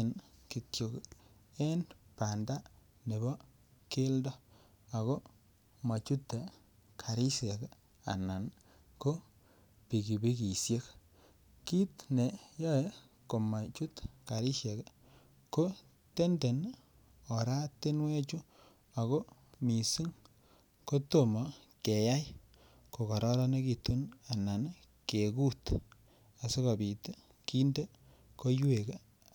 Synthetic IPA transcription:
nki˨tjo˨ke˦npa˨nda˦ | ne˨bɔ˦ | ke˦ldɔ˦ | a˨ɣo˦ | ma˨t͡ʃu˦tːe˨ | kʰa˨ɾi˦ʃe˨k | a̰˨na˨n | ko˦ | pi˨ki˨bi˦ki˨sje˦k | ki˦tne˨jɔ˦je˦ | ko˨ma˨t͡ʃu˦tka˨ɾi˦ʃɛ˨k | ko˦ | te˦nde˨n | o˨ɾa˦te˦nwe˦t͡ʃu˦ | a˨ko˦mi˨si˦ŋ | ko˦to˨mɔ˨ | ke˨ja˦j | ko˨ka˨ɾɔ˦ɾɔ˦ne˦ki˨tu˦na˨na˨n | ke˨ku˦t | a˨so˦ka˨bi˨te˦ | ki˦nde˦ | ko˦ju˦e˨ke˦

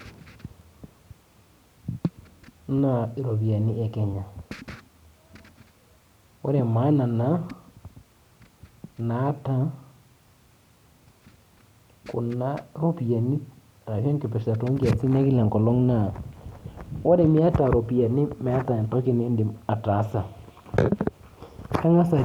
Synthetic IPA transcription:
na˦˨i˨ɾo˨pi˨a˨ni˦ʔɛ˨kɛ˨ɲa˨ | wo˦ɾe˨ma˨˦na˨na˨˦ | na˨˦ta˦ | kʊ˨na˦ɾo˦pi˨ja˨ni˦˨ | ta˨ʃɔ˦nkɪ˨pɛ˨ʃa˨to˦ŋɡi˦a˨t͡si˦ne˦kɪ˦la˨ŋkɔ˨lɔ˦ŋna˦˨ | wa˦ɾɛ˨mi˦a˦ta˨ɾo˨pi˨a˨ni˦mɛ˨˦a˦ta˨ntɔ˦ki˦n˨e˦ndi˨a˨ta˨˦sa˨ | ka˦ŋa˦sa˨

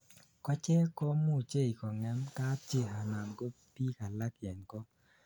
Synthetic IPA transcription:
kɔ˦t͡ʃɛ˦kɔ˦mo˦˨t͡ʃe˦˨i˨kɔ˨ŋɛ˦nka˦t͡ʃɪ˦ɦa˨na˨nɡo˦pi˦ka˨la˦kjɛ˨nkɔ˦

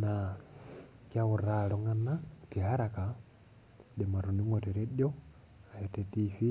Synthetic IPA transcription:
na | kjaɣu˨ɾaloŋa˨na˦ki˨ɦa˦ɾaka˨ | de˨ma˨ɾu˨ni˦ŋo˨te˨ɾe˦ɗjo˦ | a˨jete˨tifi˦

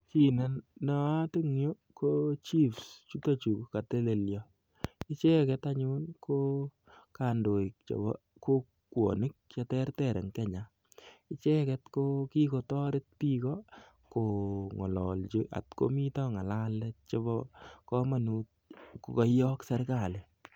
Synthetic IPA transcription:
ki˦na˨nːɔ˨a˦ti˦ŋjo˦ | kot͡ʃi˦fst͡ʃu˦ta˦t͡ʃu˨kka˨te˦le˨ljɔ | ɪ˦t͡ʃɛ˦kɛtaɲunko˦ | ka˨ndo˨ik̚t͡ʃɔ̰˨bɔ̰ | ko˦ | kwo̰˨nɪ˦k̚t͡ʃa˧tɛ˦rtɛ˨ɾɛ̰˨ŋkɛ˦ɲa˨ | ɪ˦t͡ʃɛ˦kɛtko˦ki˦ko˨tɔ˦ɾɪt̚pi˦kɔ | ko˨ŋɔ˨lɔ̰˨lt͡ʃiʔa̰˨tko̰mi˦tɔ˦ŋa˨la˦lɛt̚t͡ʃɔbɔ˦kɔ˦ma˨nuːt̚ | ko˨kɔ˦jjɔ˦ksɛ˦ɾka˦˨lɪ˨

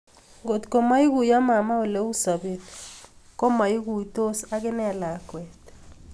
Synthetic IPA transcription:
ɡo˨t̪ko˨ma˦i˦ɣu˨ja˦ma˨ma˦o˨le˦u˦sa˨be˨tkɔ˦ma˨i˦ɣu˨i˨to˦sa˦ɣɪ˦nɛ˦˨la˨kwɛ˨t̪

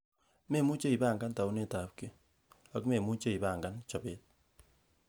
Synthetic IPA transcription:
me˦˨mu˦t͡ʃe˦i˨ba˦˨ŋɡa˦nta˨u˦ne˦˨ta˨p̚ki˦ | a˨kme˨mu˦t͡ʃe˦i˨ba˦˨ŋɡa˦nt͡ʃa˨be˦t̚

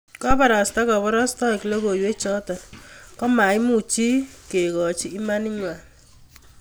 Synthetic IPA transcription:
kɔ˦pa˨ɾa˨sta˦ka˨bɔ˦ɾa˦stɔ˦i˨ki˨le˦ko˨jwe˦t͡ʃɔ˦tɔ˨nkɔ˦ma˨i˦mu˨t͡ʃi˦ke˨kɔ˨t͡ʃiː˦ma˦ni˦ɲwa˨

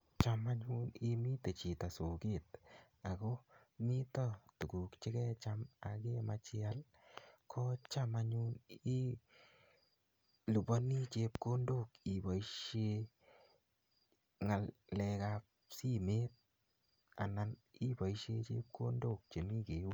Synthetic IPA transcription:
t͡ʃa˨ma˦ɲu˦nɪ˧mi˦te˨t͡ʃi˨ta˨so˨ke˦˨t̪̚ | a˨ɣo˦ | mi˦tɔ˦tu˨ɡu˨kt͡ʃe˦kɛ˦t͡ʃa˧ma˨ke˦ma˧t͡ʃɪa˦l | kʰɔ˦t͡ʃa˦ma˦ɲu˦ni˦ | lu˨ba˦ni˦t͡ʃe˧p̚ko˦ndo˦˨ki˨ba˨iʃe˦ | ŋa˨llɛ˧ka˧p | si˦me˦t̪̚ | a̰˨na˨ni˦ba˨iʃe˧t͡ʃḛ˦p̚ko˦ndo˦˨k̚t͡ʃe˨mi˦ke˨ju˦

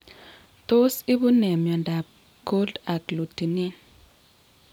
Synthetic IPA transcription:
t̪o˦si˦bʊ˦nɛ˨mjɔ˨nda˨b̚ | ɡ̥o˦lda˨klu˨ti˨ni˦n

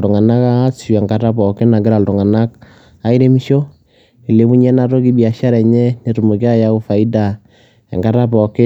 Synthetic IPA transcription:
ltʊ˨ŋa˨na˦kaː˦su˨ɛ˨ŋɡa˨ta˦pɔ˨kɪ˦na˨ɡɪ˦ɾa˨ltʊ˨ŋa˨na˦k | a˨˦i˦ɾe˦mi˦ʃo˦ | e˨le˨˦bu˦ɲɛ˦na˦ɾo˦ki˦bi˨a˨ʃa˦ɾɛ˨ɲɛ˦ne˨ɾu˨mo˨ki˦a˦ja˦ʊ˦fa˨i˦da˨ | ɛ̰˨ŋɡa˨˦ta˦pɔ˨kɪ˦

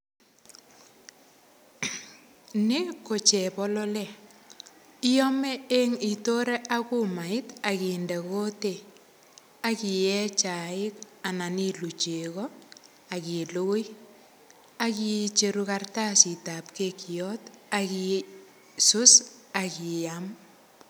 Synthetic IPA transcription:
nɪ˦ko˨t͡ʃɛ˨pɔ˦lɔ˦lɛ˦˨ | i˦ɔ˦me˦e˦ŋi˨to˦ɾe˦ʔa˦ku˦ma˨ɪ˦ta˨ki˨nde˨ko˦te˨ | a˦ki˨jɛ˦t͡ʃa˨ɪ˦ka˨na˨ni˦lu˨t͡ʃe˨ɣɔ˦ | a˨ki˨lo˦j | a˦ki˨t͡ʃe˨ɾu˨karta˦si˨ta˨p̚ke˦kijɔ˦ta˨ki˨ | sʊ˦sa˨ki˨jam

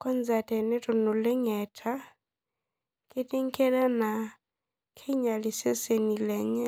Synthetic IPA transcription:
kɔ˦nza˨tɛ˨nɛ˦to˨no˨lɛ˦ŋɛ˨tʰa˦ | ke˦ti˦ŋ˦ke˦ɾa˦na˨ | kʰe˦ɲa˨li˨se˦se˨ni˨lɛ˨ɲɛ˦

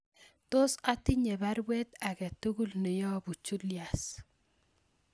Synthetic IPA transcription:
to˦sa˦ti˦ɲe˨ba˦ɾwɛ˦ta˨kɛ˨tu˦ɡu˦lne˨jɔ˦bu˨t͡ʃu˦lja˨s

